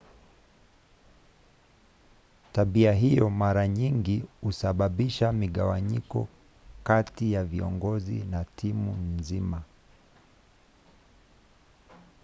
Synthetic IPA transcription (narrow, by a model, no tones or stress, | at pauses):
taɓiaɦijɔmaɾaɲiŋɡihusaɓaɓiʃamiɠawaɲikɔ̰ | katijaviɔ̰ŋɡɔzḭnatʰimunzima